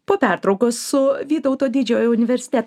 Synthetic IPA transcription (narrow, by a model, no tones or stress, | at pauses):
poːpʲæˑɾt̪ɾɒʊkosːʊʋʲiːt̪ɔʊt̪oːd̪ʲɪd͡ʒʲoːjoʊnʲɪʋʲɛɾʲsʲɪ̥t̪ʲɛt̪